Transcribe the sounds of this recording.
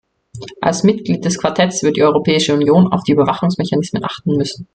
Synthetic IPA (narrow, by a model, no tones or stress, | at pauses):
ʔa̰lsmɪtɡ̥liːt̚d̥ɛskv̥aɐtʰɛtsv̥ɪɐtd̥iʔɔʏʁopʰɛːɪʃəunjoːna̰ʊfd̥iːybɐvaχʊŋsmɛçanɪsmənʔaχtn̩mʏsn̩